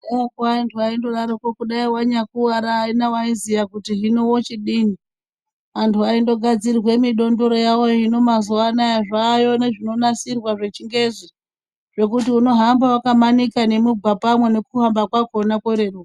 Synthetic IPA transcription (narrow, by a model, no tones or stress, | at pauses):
eakantʰuaindo̞ɗaɾokokuɗaiwaɲakuaɾaːinawaizijakutiɦinowot͡ʃiɗini | antʰuaindo̞ɡʱad͡zirwe̞miɗo̞ndo̞ɾo̞jawo̞jino̞mazuanajaʐaːjo̞ne̞ʐino̞nasirwaʐe̞t͡ʃiŋɡe̞zi | ʐ̥e̞kutiuno̞ɦambawakamanikane̞mubʱapamwe̞ne̞kuɦambakwako̞nakeɾeru